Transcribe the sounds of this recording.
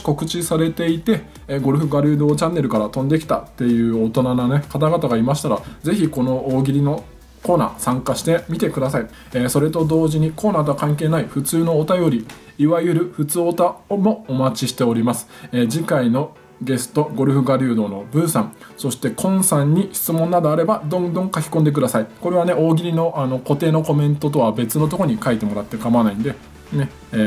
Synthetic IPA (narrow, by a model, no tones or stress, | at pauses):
ko̞kɯ̟t͡ɕisaɾe̞t̪e̞it̪e̞ | ɡo̞ɾɯ̟ɸɯ̟ɡaɾʲɯ̟ːd̪o̞ːt͡ɕãnːe̞ɾɯ̟kaɾat̪õ̞nd̪e̞kʲi̥t̪a̰t̪ːe̞jɯ̟ːot̪o̞nananekat̪aɡat̪aɡaimaɕi̥t̪aɾad͡ze̞çiko̞no̞oːɡʲiɾʲino̞ | ko̞ːna̰ːsãŋkaɕi̥t̪e̞mʲit̪e̞kɯ̟d̪asai | eso̞ɾe̞t̪o̞d̪o̞ːʑiɲ̟iko̞ːnaːt̪oakãŋke̞ːnaiɸɯ̟t͡sɨːno̞ːt̪ajo̞ɾʲiː | βajɯ̟ɾɯ̟ɸɯ̟t͡sɨo̞t̪aomo̞omat͡ɕiɕi̥t̪e̞oɾʲimasɨ̥eːd͡ʑikaino̞ | ɡe̞sɨ̥t̪o̞ɡo̞ɾɯ̟ɸɯ̟ɡaɾʲɯ̟ːd̪o̞ːno̞bɯ̟̃ɰ̃sãŋ | so̞ɕi̥t̪e̞kʰõ̞ɰ̃sãɲ̟ːiçi̥t͡sɨmõ̞nːad̪o̞aɾe̞bad̪õ̞nd̪õ̞ŋkakʲi̥kõnd̪ekɯ̟d̪asaiko̞ɾe̞β̞ane̞o̞ːɡʲiɾʲino̞ʔano̞ko̞t̪e̞ːno̞ko̞mẽ̞nt̪o̞t̪̬o̞βabe̞t͡sɨno̞t̪o̞ko̞ɲ̟ikait̪e̞mo̞ɾat̪ːe̞kamanaĩnd̪e̞ | ne̞ː